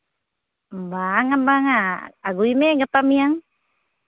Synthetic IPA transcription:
baŋat̪̚baŋaaɡuimeɡap̪amiaŋ

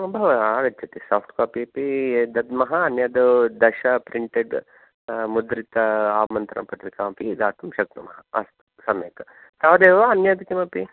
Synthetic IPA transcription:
bʱɐʋɐaːɾɐt͡ʃɐt̪isaːpʰʈkaːpiɐpid̪ɐd̪mɐɦɐːnjɐd̪ud̪ɐʃɐpɾiɳʈeɖ | mud̪ɾit̪ɐaːmɐnt̪ɾɐ̰mpɐʈ̪ʋikaːmpid̪aːt̪ɐmʃɐk̚t̪ɐmɐɦɐɐ̰st̪ | sɐmḛːkɐ | saːʋd̪eːʋaɐnjɐd̪kimɐpi

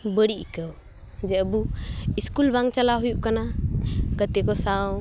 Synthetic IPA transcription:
bəɽiʔikəw | d͡ʒɛəbuiskulbãŋɡt͡ʃəlaɦujuʔkanaɡət̪ikɔsaw

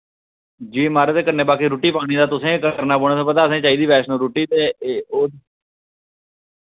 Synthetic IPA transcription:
d͡ʒiːmaːɾt̪eːkəɾneːbaːkiːɾoːʈiːpaːɽ̃iːd̪aːt̪ʊsẽːkəəɾnaːboːɽ̃ːsẽːpət̪aːəsẽːt͡ʃaːiːd̪iːpɛːʃnõːɾoːʈiːt̪eːoː

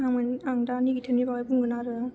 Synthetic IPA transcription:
amɯnaŋdaniɡitʰɯnibawajbuŋɡɯnaɾɯ

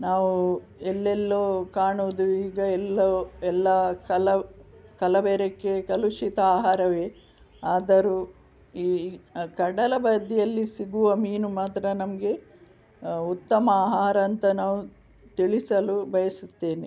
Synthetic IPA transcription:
naːʋu | ɛlːɛlːoːkaːɳuʋd̪uiːɡɐɛlːoɛlːɐkɐlɐkɐlɐʋeːɾekːekɐluʂit̪ɐaːɦaːɾɐʋe | aːd̪ɐɾu | iːkɐɽɐlɐbɐd̪ʱːijɐlːisiɡuʋɐmiːnumaːt̪ɾɐnɐmɐɡe̞ | ut̪ːɐmɐaːɦaːɾɐːnt̪ɐnaːʋu | t̪iɭisɐlubɐjɐsut̪ːe̞ːni

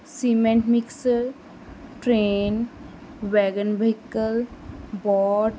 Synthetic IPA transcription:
simẽɳʈmɪksəɾ | ʈɾeːn | ʋɛːɡənbəɪkəlbɔːʈ

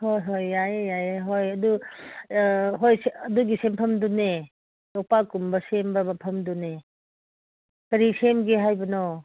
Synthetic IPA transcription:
hojɦojːajajɦojɐdu | ɦojsɐduɡisempʰɐmdune | lɔk̚pakumbɐsembɐbɐpʰɐmdune | kɐɾisemɡeɦajbɐnɔ

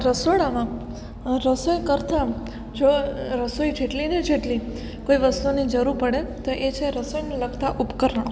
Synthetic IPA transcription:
ɾəsoɽamã | ɾəsojkəɾt̪a | d͡ʒoɾəsojd͡ʒeʈlined͡ʒeʈli | koiʋəst̪unid͡ʒəɾuɾpəɽet̪oʔet͡ʃʰeɾəsojneləɡt̪aʔupkəɾəɳ̃

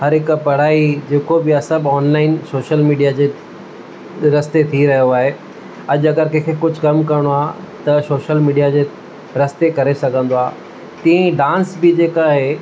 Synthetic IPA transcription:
hɐɾɦɪkpɐɽ̤aːid͡ʑeːkobɪasɐbɔːnlaːɪnsoːʃəlmiːɖijad͡ʑeː | ɾɐst̪et̪ʰiɾɐɦijoaːɦe | ɐʄʊɐɡəɾkẽkʰekʊd͡ʑʱʊkɐmkɐɾɪɽ̃oaː | t̪ɐsoːʃəlmiːɖijad͡ʑeː | ɾɐst̪ekɐɾesɐɡʱə̃nd̪oaː | t̪ĩẽɖãːnsbɪd͡ʑeːkaːɦeː

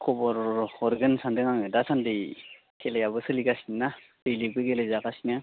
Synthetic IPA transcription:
kʰɔbɔɾɔɾɡɯnsandɯŋaŋɯdasandɯj | kʰelejabɯsɯliɡasinːa | dɯjlibɯɡelejzaɡasinɯ

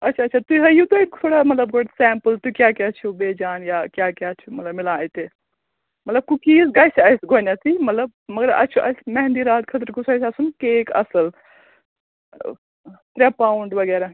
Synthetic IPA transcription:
ɐtːt͡ʃʰaɐtːt͡ʃʰat̪uiɦɐjut̪oit̪ʰoːɽamɐt̪ləb̚ɡoʈsɛːmpəlt̪uikjaːkat͡ʃʰubeːd͡ʒaːnjaːkjaːkʲaːt͡ʃʰumɐt̪lɐbmɪlaːjt̪e | mɐt̪lɐb̚kukiːsɡɐsɐjsɡoːnat̪ʰimɐt̪ləbmɐɡɐɾɐ̰t͡ʃʰuʔɐ̰smɛɦnd̪iɾaːt̪kʰɐt̪əɾkusɐsɐsunkeːkɐ̰səl | t̪ɾepaːʊɳɖʋɐɡɛːɾa

